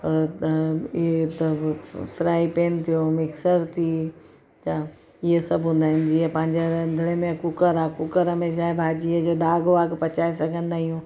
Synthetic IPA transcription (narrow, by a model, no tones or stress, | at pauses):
et̪ | fʰɾaːipeːnt̪ʰijomɪksəɾt̪ʰi | t͡ʃa | iɦesɐbʱɦũːnd̪aːɦɪnd͡ʑiɦepɐ̃ɦɪ̃ɲd͡ʑeɾɐnd̪ʱɽemẽkʊkəɾaːkʊkəɾɐmeʃ̬aːebʱaːd͡ʑiɦed͡ʒoːd̪aːɡoaːɡpɐt͡ɕaːisɐɡʱə̃nd̪aːɦiɦũː